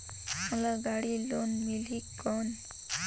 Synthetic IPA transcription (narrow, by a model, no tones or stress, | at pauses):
məlaɡaɽilonmilikːɔn